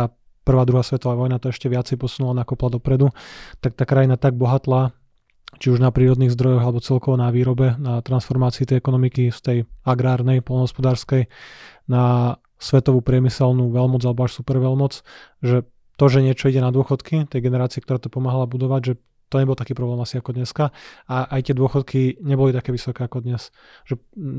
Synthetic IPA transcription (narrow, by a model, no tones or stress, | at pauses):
a | pr̩ʋaːd̪ɾuɦasʋɛt̪ɔʋaʋɔjnat̪ɔɛʃcɛʋɪat͡sɛjpɔsunulanakɔplad̪ɔpɾɛd̪ut̪ak̚t̪aːkɾajinat̪aɡ̚bɔɦat̪laː | t͡ʃiuʒnapɾiːɾɔd̪niːɣzd̪ɾɔjɔɣalɛbɔt͡sɛlkɔʋɔnaʋiːɾɔbɛnat̪ɾansfɔɾmaːt͡siːt̪ɛjɛkɔnɔmikist̪ɛjaɡɾaːɾnɛjpɔlnɦɔspɔd̪aːɾskɛjna | sʋɛt̪ɔʋupɾɪɛmisɛlnuʋɛlmɔd͡zalɛbɔaːʃsupɛɾʋɛlmɔt͡sʒɛ | t̪ɔʒɛɲɪɛt͡ʃɔiɟɛnad̪ʊɔxɔt̪kit̪ɛjɡɛnɛɾaːt͡siɛkt̪ɔɾaːt̪ɔpɔmaːɦalabud̪ɔʋaɟʒɛ | t̪ɔɲɛbɔlˠt̪akiːpɾɔblɛːmasiakɔd̪ɲɛskaaʔajt̪ɪɛd̪ʊɔxɔt̪kʰiɲɛbɔlit̪akɛːʋisɔkɛːakɔd̪ɲɛs | ʒ̥ɛ